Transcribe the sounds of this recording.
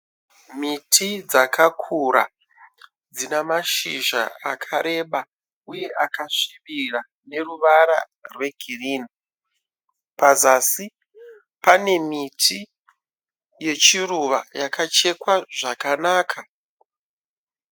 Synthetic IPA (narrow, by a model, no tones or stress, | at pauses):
mitʰid͡zakʰakʰuɾa̰ | d͡zinamaʃiʒa̰akʰaɾe̞ɓa | uje̞ʔakaʂiʋira | ne̞ruʋaɾa̰ | rwe̞ɡʱiriːni | pazasi | pane̞mitʰi | je̞t͡ʃiruʋa̰jakat͡ʃe̞kwaʐakanaːkʰa